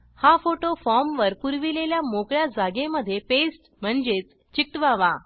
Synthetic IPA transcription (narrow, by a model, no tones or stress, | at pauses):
hafoʈofɔɾmʋəɾpuɾʋileljamokɭjad͡zaɡeməd̪ʱːjepesʈm̤əɳd͡ʑet͡s | t͡ɕik̚ʈʋaʋa